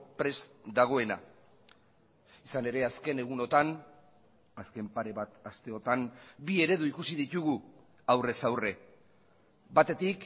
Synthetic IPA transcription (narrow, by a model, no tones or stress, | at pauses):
pɾe̞sd̪aɣ̞o̞e̞na̰ | isane̞ɾe̞aske̞ne̞ɣ̞uno̞t̪an | aske̞mpaɾe̞βat̪ast̪e̞o̞t̪ambie̞ɾe̞ðuikusið̞it̪uɣu | awre̞sawre̞ | bat̪e̞t̪ik